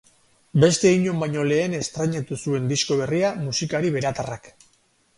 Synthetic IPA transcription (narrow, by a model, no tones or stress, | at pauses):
be̞st̪e̞iɲo̞mbaɲo̞le̞ːne̞st̪ɾaɲat̪usue̞nd̪isko̞β̞e̞riamusikaɾiβe̞ɾat̪arak